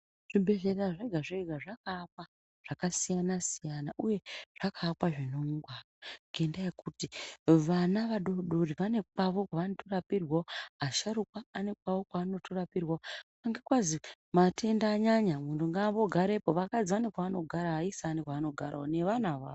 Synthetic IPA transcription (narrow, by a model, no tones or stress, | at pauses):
ʐ̥ibʱe̞ɮe̞raʐeɡʱaʐeɡʱaʐakaːk̚wa | ʐ̥akasijanasijanaʔuje̞ʐ̥akʰaːkwaʐinoŋɡwaraŋɡendajekutiʋanaʋaɗoɗoriʋane̞kaʋo̞kwaanotorapirwaoaʃaɾukwaːnek̚waʋo̞kwaːno̞tʰorapirwao | aŋɡekwazi | matʰe̞ndaːɲaɲamuntuŋɡaʋo̞ɡʱaɾepo̞ʋakad͡ziʋanekwaano̞ɡʱaɾaaisaːnekwaːno̞ɡʱaɾaone̞ʋanaʋaːo